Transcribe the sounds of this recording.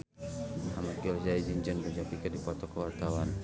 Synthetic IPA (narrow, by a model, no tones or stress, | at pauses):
maɦamat̪̚ɡɛzaid͡ʒənd͡ʒəŋbəd͡ʒapikədipɔt̪ɔkəwart̪awan